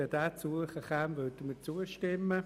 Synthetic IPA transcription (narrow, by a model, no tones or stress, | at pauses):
əd̥aːt͡suəχəχaːmʋœtəmət͡suːəʃtɪmːə